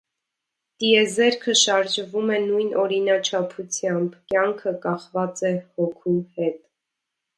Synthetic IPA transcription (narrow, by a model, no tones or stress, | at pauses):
t̪iɛzɛɾkʰəʃɑɾʒvumɛnujnʔɔɾinɑt͡ʃʰɑpʰut͡sʰjɑmbkjɑŋkʰəkɑχvɑt͡sɛhɔkʰuhɛt̪